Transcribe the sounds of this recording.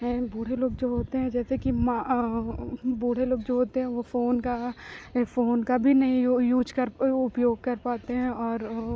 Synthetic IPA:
ɦɛ̃buːɽ̤eloːɡd͡ʒoːɦoːt̪eɦɛ̃d͡ʒɛːsekima | buːɽ̤eloːɡd͡ʒoːɦoːt̪eɦɛ̃ʋofoːnka | foːnkabʱinɐɦĩjuːd͡ʒkɐɾʊpjoːɡ̚kɐɾpaːt̪eɦɛ̃ɔːɾ

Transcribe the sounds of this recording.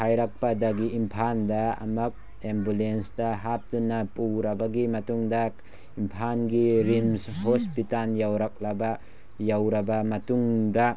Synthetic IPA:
hajɾak̚padaɡiimpʰandɐɐ̰mɐk̚ | embulensdɐɦap̚tunːapuwɾabaɡimɐtuŋda | impʰanɡiɾimshospitanjawɾak̚laba | jawɾɐbamɐtuŋda

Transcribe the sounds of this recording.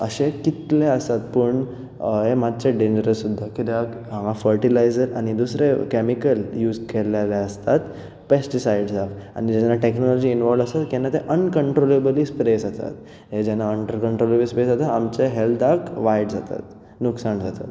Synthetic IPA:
ə̰ɕekit̪leəst̪at̪̚pəɳ | ɦemad̪̚t͡ɕeɖẽɲd͡ʑəɾəsːud̪ʱːakit̪eak | ɦãŋafəɾʈilajzəɾa̰ñid̪usɾekemikəljuːd͡zkelalaəst̪at̪ | pesʈisajɖd͡zafa̰nid͡ʑɛnːaʈeknɔlɔd͡ʑiːnʋɔlʋəsat̪kɛnːat̪eʔənkəɳʈɾolebliːspɾesat̪a̰t̪ | ɦed͡ʑɛnːaəɳʈəɾkəɳʈɾoleblispesat̪aamt͡ɕeɦeld̪akʋajɖd͡zat̪a̰t̪ | nuksaɳd͡zat̪at̪

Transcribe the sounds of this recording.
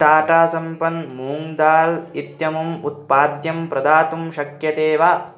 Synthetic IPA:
ʈaːʈaːsɐmpɐnmuːŋd̪aːlit̪jɐmumut̪̚paːd̪jɐmpɾɐd̪aːt̪umʃɐkjɐt̪eːʋa

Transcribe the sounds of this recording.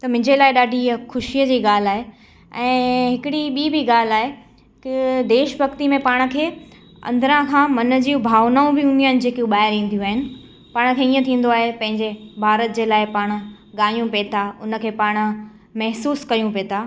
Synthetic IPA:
t̪ɐmʊ̃ɪ̃ɲd͡ʑelaːɪɗaːɖʱiɐxʊʃijəd͡ʑiːɠaːl̤aːɦe | ɛ̃ːɦɪkɪɽiɓiːbiɠaːl̤aːɦe | kɪd̪eːʃbʱɐkt̪imẽpaːɽ̃̆kʰeː | ɐ̰̃nd̪ɾãkʰãːmɐnə̆d͡ʑiːʊbʱaːʋnaːũbʱɪʊnijənɪ̆d͡ʑeːkijũɓaːɦɪɾĩːnd̪ijũaːɦɪnɪ̆ | paːɽ̃̆kʰeiːə̃t̪ʰĩːn̆d̪oaːɦepɐ̃ɦɪ̃ɲd͡ʑebʱaːɾət̪̚d͡ʑeːlaːɪpaːɽ̃̆ | ɠaːjũpet̪ʰaʊnə̆kʰeːpaːɽ̃ʊ̆ | mɛɦsuːskɐjũpeːt̪ʰaː

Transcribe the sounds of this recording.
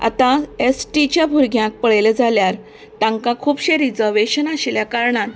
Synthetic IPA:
a̰t̪ãesʈit͡ɕjabʱuɾɡʱjãk̚pəɭeled͡zaljaɾ | t̪ãŋkãkʰuːbɕeɾid͡zəɾʋeɕənaɕiljakaɾɳãn

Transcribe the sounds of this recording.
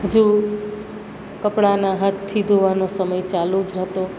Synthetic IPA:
ɦəd͡ʒu | kəpɽanaɦət̪t̪ʰːid̪oʋanosəməjt͡ʃalud͡ʒɾɦət̪o

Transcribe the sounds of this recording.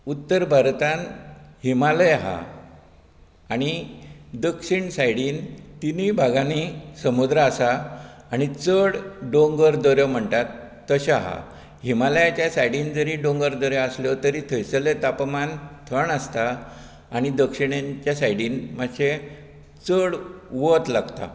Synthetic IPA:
ut̪ːəɾbʱaɾt̪ãnhimaləjaɦa̰ | aɽ̃id̪əkʂiɳsajɽiːnt̪inibʱaɡanisəmud̪ɾaːsaːɽ̃it͡səɽɖõŋɡəɾd̪ɔɾjɔm̤əɳt̪at̪ː | əɕaɦa̰ | ɦhimaləjat͡ɕjasajɽiːnd͡zəɾiːɖõŋɡəɾd̪ɔɾjɔasljɔt̪əɾit̪ʰəjsəlet̪apmant̪ʰəɳəst̪aː | ɽ̃id̪əkʂiɳjãɲt͡ɕjasajɽiːnmaɕe | t͡səɽʋɔt̪laɡt̪a̰

